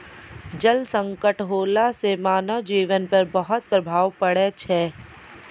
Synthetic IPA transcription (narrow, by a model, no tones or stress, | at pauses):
d͡ʒəlsə̃ŋkəʈɦoːlasemaːnəʋd͡ʒiːʋənpɐɾbɐɦʊt̪̚pɾəbʱaːʋpəɽet͡ʃʰɛː